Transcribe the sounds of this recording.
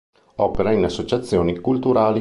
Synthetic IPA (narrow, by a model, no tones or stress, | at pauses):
ɔpeɾainasːot͡ʃat̪sːjoːnikult̪uɾaːli